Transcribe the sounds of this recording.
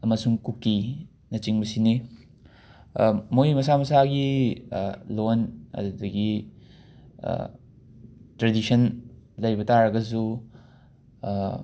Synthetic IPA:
ɐmɐsuŋkukːi | nɐt͡ʃiŋbɐsini | mojmɐsamɐsaɡi | lonɐ̰dudɐɡi | tɾedisʰɐnlɐjbɐtaɾɐɡɐzu

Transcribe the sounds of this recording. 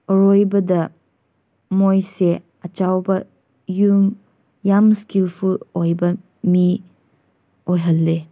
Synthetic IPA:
ɔɾojbɐdɐ | mojse | ɐt͡ʃawbɐ | jum | jamskilpʰuojbɐ | mi | ojɦɐlːe

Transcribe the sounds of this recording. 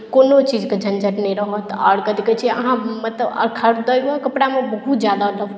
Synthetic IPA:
konot͡ʃid͡ʒked͡ʒʱənd͡ʒʱəʈnɛjɾəɦɔt̪a̰ɽkəd̪ikət͡ʃʰiə̰ɦãmət̪ləbə̰ɾkʰaɽd̪əjbɔkəpɽamebəɦut̪d͡ʒjad̪aləb

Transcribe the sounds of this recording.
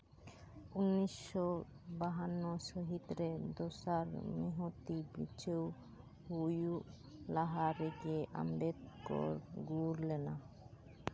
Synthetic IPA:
unːisːɔ | baɦanːɔʃɔɦit̪ɾed̪osaɾmiɦot̪ibḭt͡ʃʰew | huju | laɦaɾeɡeʔa̰mbed̪kɔ̰ɾɡuɾlena

